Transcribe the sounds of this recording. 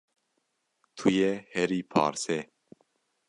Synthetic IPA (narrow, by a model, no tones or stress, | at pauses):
t̪ʰujɛhɛɾiːpʰa̰ːɾsɛ